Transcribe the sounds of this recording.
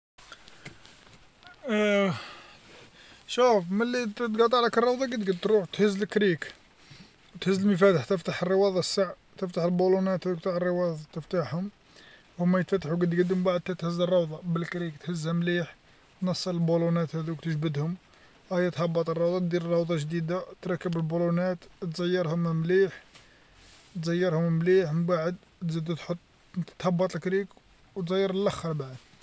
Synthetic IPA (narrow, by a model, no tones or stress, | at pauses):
ʃufməlːit̪ɡɑt̪ˤɑʕlækərˤːɑwd̪ˤɑɡəd̪ɡəd̪̚t̪ɾuħt̪həzːəlkɾik | wt̪həzːəlməfæt̪əħt̪əft̪aħərˤːəwɑd̪ˤɑsːaʕ | t̪əft̪aħəlbulunæt̪hæd̪ukt̪aʕərˤːəwɑd̪ˤɑɑt̪əft̪aħhʊm | hʊmːæjət̪fæt̪ːaħuɡəd̪ɡəd̪ʊmbaʕd̪̚t̪æt̪həzːərˤːɑwd̪ˤɑbəlkɾikt̪həzːæmliħ | nɑsˤːɑləlbulunæt̪hæd̪ukt̪əʒbəd̪hʊm | ʔæjæt̪hɑbːɑt̪ˤərˤːɑwd̪ˤɑt̪d̪iɾrˤːɑwd̪ˤɑʒd̪id̪at̪ɾˤɑkːəbəlbulunæt̪t̪zɑjːəɾˤhʊmmliħ | t̪zəjːəɾhʊmmliħmbaʕəd̪ | t̪zid̪ut̪ħot̪ˤː | t̪ħɑbːɑt̪ˤlkɾik | wt̪ɣəjːəɾəlʔæxːɑɾˤbaʕəd̪